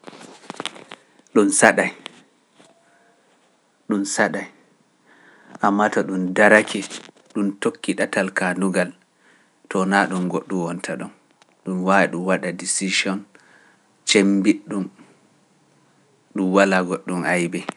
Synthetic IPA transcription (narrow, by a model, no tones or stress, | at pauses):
ɗunsaɗaj | ɗunsaɗaj | ʔamːatɔɗumdaɾakʰɛ | ɗumtokːiɗatalkanduɡal | tɔnaɗumɡoɗːuwɔntʰaɗɔn | ɗumwawiɗumwaɗadisid͡ʒiɔn | t͡ʃembiɗːum | ɗumwalaɡoɗːumajbɛ